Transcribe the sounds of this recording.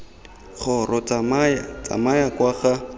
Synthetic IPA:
χɔrɔt͡samajat͡sa̰majakwaχa

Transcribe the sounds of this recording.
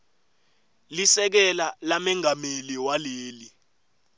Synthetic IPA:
lisɛk̬ɛlalamɛŋameliwaleːli

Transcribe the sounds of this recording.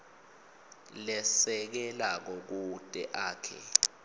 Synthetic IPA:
lɛsɛk̬ɛlak̬ɔk̬utʼɛʔaːkʰɛ̰

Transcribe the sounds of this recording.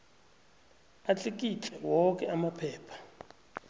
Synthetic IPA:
at͡ɬʼek̬ʼit͡ɬʰɛwɔk̬ʼɛamapʰɛːpʰḁ

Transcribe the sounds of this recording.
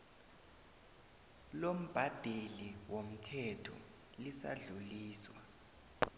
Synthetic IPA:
lom̩b̥ʱad̥ʱeliwom̩tʰɛtʰɔ̰ | lisa̰ɮuliːswa

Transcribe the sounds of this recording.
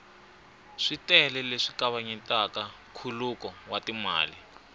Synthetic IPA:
ʂitɛlɛleʂi̥kaβaɲintʼaka | kʰulukɔwatima̰ːli

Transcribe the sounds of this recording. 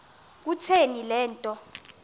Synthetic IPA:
k̬utʰenilɛːntʼɔ

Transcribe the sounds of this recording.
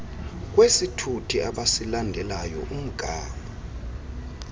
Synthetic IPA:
k̬ʼwesitʰutʰiaɓasilandʱɛlajɔ̰ʔum̩ɡ̥ʱaːŋa

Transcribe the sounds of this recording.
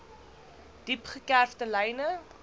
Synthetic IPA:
d̥ipχəkærftəlɛjnə

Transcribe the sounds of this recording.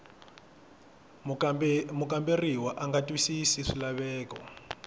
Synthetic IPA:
mukʼamberiwaʔaŋɡatʼwisisiʂilaβɛːkɔ̰

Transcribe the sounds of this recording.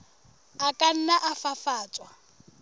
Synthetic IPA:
akʼan̩naʔafafaːt͡sʼwa

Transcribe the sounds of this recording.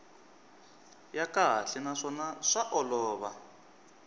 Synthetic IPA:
jakaɦa̰ɬɛnaʂɔnaʂaʔɔlɔːβa

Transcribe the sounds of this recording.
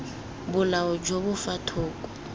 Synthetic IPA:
bʊlaɔd͡ʒoβʊfatʰʊːkʼɔ̥

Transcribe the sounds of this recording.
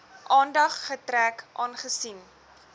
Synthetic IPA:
ʔɑːndɐχːətɾækʔɑːnχəsin

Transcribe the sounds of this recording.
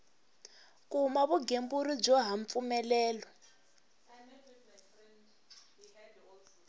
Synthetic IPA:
kumaβuɡembuɾib͡ʐɔɦaɱp̪fumɛlɛːlɔ

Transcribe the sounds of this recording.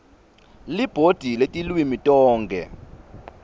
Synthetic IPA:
lib̥ʱod̥ʱiletʼilwimitʼɔːŋɡʱɛ̰

